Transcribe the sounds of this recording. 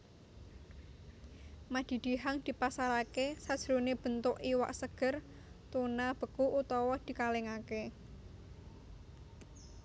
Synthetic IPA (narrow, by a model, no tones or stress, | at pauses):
mad̪̥i̤d̪̥i̤ɦaŋd̪̥i̤pasaɾakesad̥ʒ̥ɾoneb̥ə̤nt̪ʊʔiwa̰ʔsəɡ̥ə̤r | t̪unab̥ə̤kuʔut̪ɔwɔd̪̥i̤kaleŋake